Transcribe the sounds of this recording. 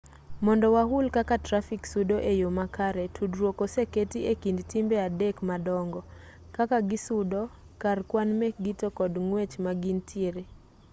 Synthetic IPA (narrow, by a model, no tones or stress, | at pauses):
mɔndɔwaɦʊlkakatɾafiksudoʔejomakaɾɛtʰudɾwokoseketiekindtimbɛadekmadɔŋɡɔ | kakaɡisʊdɔ | karkwanmɛɡitɔkɔdŋwet͡ʃmaɡintʰjeɾe